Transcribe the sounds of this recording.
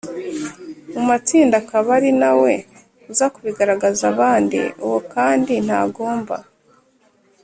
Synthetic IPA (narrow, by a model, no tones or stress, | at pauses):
mumat͡siːndakaβaɾinawe̞ | uzakuβiɡaɾaɡazaβaːndḭuwokaːndin̥ha̰ːɡo̞ːmba̰